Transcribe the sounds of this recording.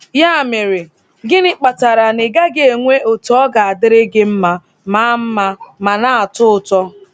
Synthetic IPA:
ja˦a˨mɪ˨ɾɪ˨ | ɡɪ˦nɪ˦k͡pa˨ta˨ɾa˨nɪ˨ɡa˦ɡɪ˦e˨ŋʷe˦ʔo˨tɔ˦ɡa˨a˨dɪ˦ɾɪ˦ɡɪ˦m̩˦ma˦ | ma˦m̩˦ma˦ma˨na˦a˨tʊ˦ʊ˦˨tɔ˦

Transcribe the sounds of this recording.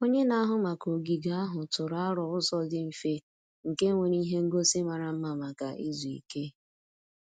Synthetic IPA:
o˦ɲe˦na˦ɦʊ˦ma˨ko˨ɡi˨ɡa˦a˦ɦʊ˨tʊ˨ɾa˦ɾɔ˨ʊ˦sɔ˦dɪ˦m̩˨fe˦ | ŋ̩˨ke˦ŋʷe˨ɾi˦ɦe˦ŋ̩˦ɡo˦sɪ˦ma˨ɾa˨m̩˦ma˨ma˨ka̰˨ʔi˦zu˨ḭ˨ke˦

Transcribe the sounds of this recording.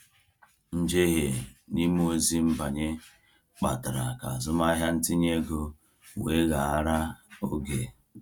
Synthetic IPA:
n̩˦d͡ʒe˦ɣe˨ni˦m˦o˦zi˦m̩˦ba˨ɲe˦ | k͡pa˨ta˨ɾa̰˨ka̰˨a˨zʊ˦ma˦ɦja˦n̩˦ti˦ɲe˦ɡo˦ | we˦ɣa˨a˦ɾa˦o˦ɡe˨

